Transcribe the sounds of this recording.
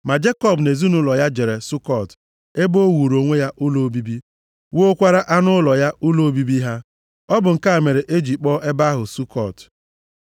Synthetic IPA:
ma˨d͡ʒe˦kɔ˦bne˨zu˦nʊ˦lɔ˨ja˦d͡ʒe˨ɾe˨su˦kɔ˨t | e˦bo˦wu˨ɾo˨ŋʷe˦ja˦ʔʊ˦lo˨˦bi˦bi˦ | wo˦o˦kʷa˦ɾa˦ʔa˦nʊ˦lɔ˨ja˦ʔʊ˦lo˨˦bi˦bi˦ɦa˦ | ɔ˦bʊ˨ŋ̩˨ka˦˨me˨ɾe˨ʔe˦d͡ʒi˨k͡pɔ˦ʔe˦ba˦ɦʊ˨su˦kʰɔ˨t

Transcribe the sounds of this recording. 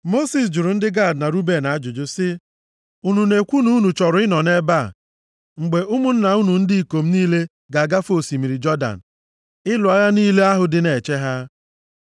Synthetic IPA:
mo˦si˨s̬d͡ʒʊ˨ɾʊ˨n̩˦dɪ˦ɡa˦˨dna˨ɾu˦be˨na˨a˦d͡ʒʊ˨d͡ʒʊ˦sɪ˦ | u˦nu˨ne˨kʷu˦nu˦u˦nu˨t͡ʃɔ˨ɾʊ˨˦ɪ˦nɔ˨ne˦ba˦˨ | ŋ͡m̩˨ɡ͡be˨ʔʊ˦mʊ˦n̩˦na˨u˦nu˨n̩˦di˦i˨ko˨m̩˦niː˦le˦ | ɡa˨ɡa˦fo˦˨si˨mi˨ɾi˨d͡ʒɔ˦da̰˨n̩˨ | ɪ˦lʊ˨a˨ja˦niː˦le˦a˦ɦʊ˨dɪ˦ne˨t͡ʃe˦ɦa˦

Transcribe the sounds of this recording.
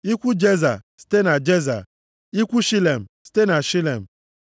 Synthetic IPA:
i˦kʷu˦d͡ʒe˦za̰˨si̥˦te˦na˨d͡ʒe˦za̰˨ | i˦kʷu˦ʃi˦le˨m̩˨si̥˦te˦na˨ʃi˦le˨m̩˨

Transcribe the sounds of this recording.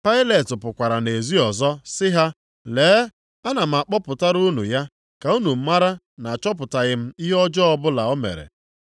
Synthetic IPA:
pa˦ɪ˦le˨tʊ˨pʊ˨kʷa˨ɾa˨ne˨zi˦ɔ˨zɔ˦sɪ˦ɦa˦ | leː˨˦ | a˦na˨m̩˨a˨k͡pɔ˦pʊ˨ta˦ɾu˦nṵ˨ja˦ | ka˨u˦nu˨m̩˦ma˦ɾa˦ | na˨t͡ʃɔ˦p̬ʊ˨ta˨ɣɪ˦m̩˦i˦ɦɔ˦d͡ʒɔ˦ɔ˦bʊ˦la˨ɔ˦mḛ˨ɾḛ˨

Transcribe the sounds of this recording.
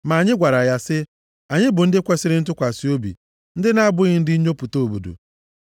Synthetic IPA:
ma˨a˨ɲɪ˦ɡʷa˨ɾa˨ja˦sɪ˦ | a˨ɲɪ˦bʊ˨n̩˦dɪ˦kʷe˦sɪ˦ɾɪ˦n̩˦tʊ˦kʷa˨si˨˦o˦bḭ˨ | n̩˦dɪ˦na˦a˦bʊ˦ɣɪ˦n̩˦dɪ˦i˦ɲo˦pu˨to˦˨o˨bṵ˨dṵ˨

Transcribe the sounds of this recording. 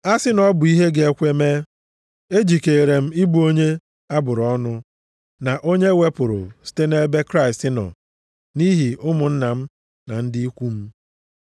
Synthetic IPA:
a˦sɪ˦nɔ˦bʊ˨i˦ɦe˦ɡe˨e˦kʷe˦me˦ | e˦d͡ʒi˨ke˨ɾe˨m̩˦i˦bu˦o˦ɲe˦ | a˦bʊ˨ɾɔ˦nʊ˦ | na˨ʔo˦ɲe˦we˦pʊ˨ɾʊ̰˨si̥˦te˦ne˦be˦kɾa˦ɪ˨stɪ˦nɔ̰˨ | ni˦ɦi˨ʔʊ˦mʊ˨n̩˦na˨m̩˦ | na̰˨n̩˦dɪ˦i˦kʷu˦m̩˦

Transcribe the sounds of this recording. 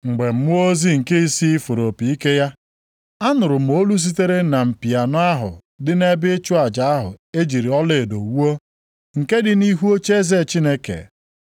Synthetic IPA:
ŋ͡m̩˨ɡ͡be˨m̩˦mʊ˦o˦zi˦ŋ̩˨ke˦i˦si˦i˦fo˨ɾo˨pi˨i˦ke˦ja˦ | a˦nʊ˨ɾʊ˨m̩˨o˦lu˦s̬i˦te˦ɾe˦na˨m̩˨pi˨a˨nʊ˦a˦ɦʊ̰˨ | dɪ˦ne˦bɪ˦t͡ʃu˦a˨d͡ʒa˨a˦ɦʊ̰˨e˦d͡ʒi˨ɾi˨ɔ˦lɪ˦˨do˨wu˦o˦ | ŋ̩˨ke˦dɪ˨ni˦ɦu˦o˦t͡ʃe˦ze˦˨t͡ʃi˦ne˦kḛ˨

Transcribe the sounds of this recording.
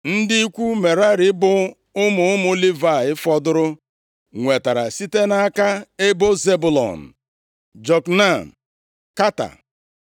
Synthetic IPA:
n̩˦dɪ˦i˦kʷu˦me˨ɾa˦ɾɪ˦bʊ˦ | ʊ˦mʊ˨ʊ˦m˦ʊ˦li˦va˨ɪ˦fɔ˨dʊ˦ɾʊ˦ | ŋʷe˨ta˨ɾa̰˨si˦te˦na˦a˦ka˦e˦bo˦ze˦bʊ˨lɔ̰˨n̩˨ | d͡ʒɔ˨kna˦˨m̩˨ | ka˦ta̰˨

